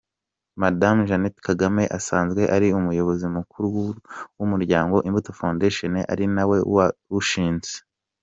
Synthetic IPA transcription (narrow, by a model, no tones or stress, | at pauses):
madamʒanetkaɡame̞ʔasaːnzɡwe̞ʔaɾiumujo̞βo̞zimukuɾuwuwumuɾɟaːŋɡo̞ʔimbutofandeʃoneʔa̰ɾinawe̞̰wauʃiːnze